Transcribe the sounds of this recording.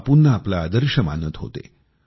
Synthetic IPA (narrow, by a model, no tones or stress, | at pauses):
punːəːplaːd̪əɾɕəma̰nət̪ɦo̰t̪ḛ